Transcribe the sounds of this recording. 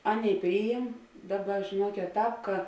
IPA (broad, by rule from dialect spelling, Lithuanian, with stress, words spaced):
ˈɑːˌnʲeːɪ ˈpʲrʲiːjɪm ˈdɑːˌbɐ ʒʲeːˈnuɔkʲeːt ˈtɑːp kɐ